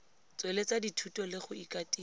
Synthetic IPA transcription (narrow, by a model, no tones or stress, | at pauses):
t͡sʼwelet͡saditʰutʼɔlɪχʊikʼatʼiː